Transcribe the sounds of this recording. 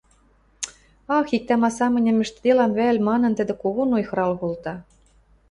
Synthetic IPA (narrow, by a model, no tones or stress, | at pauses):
ɑxik̚t̪æmɑsɑmɘ̆nʲɘ̆mɘ̆ʃt̪d̪elɑmβælʲmɑnɤ̆nt̪ɘ̆d̪ɘ̆koɣonojxɤ̆ɾɑlɣolt̪ɑ